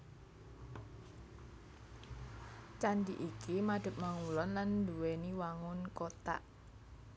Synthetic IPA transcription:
t͡ʃand̪iʔikimaɖ̪̥ə̤p̚maŋulɔnlanduweniwaŋʊnkot̪a̰ʔ

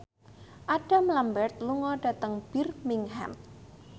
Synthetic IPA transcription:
ʔad̥a̤mlambɛrt̪̚luŋɔɖ̥a̤t̪əŋb̥irmiŋɦa̰m

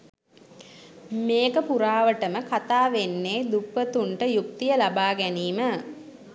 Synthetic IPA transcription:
meːkəpuɾaːʋəʈəməkat̪aːʋenːeːd̪upːət̪uɳʈəjuk̚t̪ijəlabaːɡæniːmə

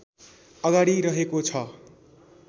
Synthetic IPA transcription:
ʌɡaɽiɾʌɦekot͡sʰʌ

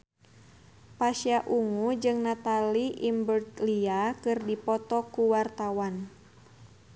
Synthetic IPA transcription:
paʃiaʔuŋud͡ʒɨŋnat̪aliʔimbərt̪liakɨrdipɔt̪ɔkuwart̪awan

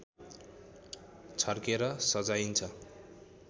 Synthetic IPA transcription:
t͡sʰʌrkeɾʌsʌd͡zajint͡sʰʌ

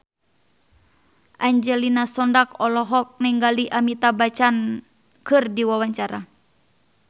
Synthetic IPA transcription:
ʔaɲd͡ʒɛlinasɔndakɔlɔɦɔk̚nɛŋɡaliʔamit̪abat͡ʃan | kɨrdiwawaɲt͡ʃaɾa

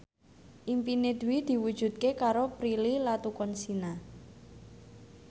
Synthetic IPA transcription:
ʔimpined̪̥ṳwid̪̥i̤wud̥ʒ̥ṳt̪̚kekaɾopɾililat̪ukɔnsina

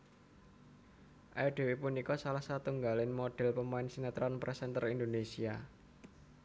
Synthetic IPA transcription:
ʔajɖ̥e̤wepunikɔsalahsat̪uŋɡalɪnmoɖ̥ɛ̤lpəmaɪnsinat̪ɾɔnpɾʔɛsɛnt̪ərind̪onesia

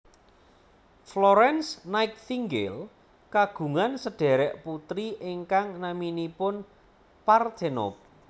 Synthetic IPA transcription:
flɔɾɛnsnaɪk̚θiŋɡɪ̰l | kaɡ̥ṳŋansəɖ̥ɛ̤ɾɛʔput̪ɾiʔɪŋkaŋnaminipʊn | part̪enɔ̰p̚

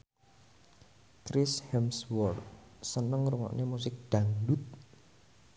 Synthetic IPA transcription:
kɾɪshɛmswɔrt̪̚sənəŋɾuŋɔ̰ʔnemus̬ɪk̚ɖ̪̥aŋdut̪̚

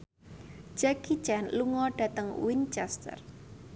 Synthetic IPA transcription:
d͡ʒ̥akit͡ʃɛnluŋɔɖ̥a̤t̪əŋwint͡ʃɛst̪ə̰r

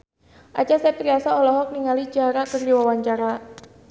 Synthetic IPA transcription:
ʔat͡ʃasɛp̪ɾiasaɔlɔɦɔk̚niŋalid͡ʒaɾakərdiwawaɲt͡ʃaɾa

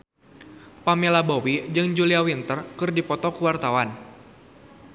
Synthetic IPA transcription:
pamelabowid͡ʒɨŋd͡ʒuliawint̪ərkɨrdipɔt̪ɔkuwart̪awan

